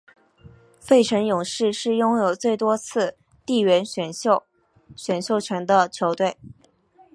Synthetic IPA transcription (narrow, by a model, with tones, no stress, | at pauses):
fe˥˩ɪʈ͡ʂʰə˧˥ŋjʊ˨˩ŋʂɻ̩˥˧ʂɻ̩˥˩jʊ˥ŋjo˨˩ʊt͡swe˥˩ɪt̪wɔ˥t͡sʰɹ̩˥˧ | t̪i˥˩ɥɛ˧˥nɕɥɛ˨˩no˥˧ | ɕɥɛ˨˩nɕjo˥˩ʊt͡ɕʰɥɛ˧˥nd̪ə˧t͡ɕʰjo˧˥ʊt̪we˥˩ɪ